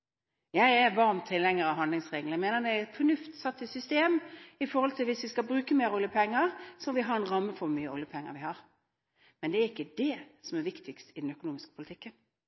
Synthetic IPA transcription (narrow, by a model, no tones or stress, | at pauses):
jæɪɛɾʋɑɾmt̪ʰːɪlːɛŋːəɾɑʋɦɑnd̪lɪŋsʁeːɡəlæmeːnəd̪ɛɛɾɛt̪fɔnʉft̪sɑt̪ːɪsʏst̪eːmɪfɔɾhɔlt̪ʰɪlʋɪsʋɪskɑbɾʉːkəmeːɾʊljəpʰɛŋːəɾsɔmʋɪɦɑɾɛnɾɑmːəfɔɾmyːəʊljəpʰɛŋːə̰ɾʋɪhɑɾ | mɛnd̪ɛæɾɪkːəd̪ɛsɔmæɾʋɪkt̪ʰɪkst̪ɪd̪ɛnœkʊnuːmɪskəpʰʊlɪt̪ʰɪkːən